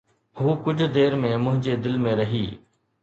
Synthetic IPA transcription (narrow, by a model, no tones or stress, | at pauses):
huːkʊd͡ʑʱd̪eːɾmẽːmʊ̃ɦɪ̃ɲd͡ʑeːd̪ɪlmẽɾɐɦiː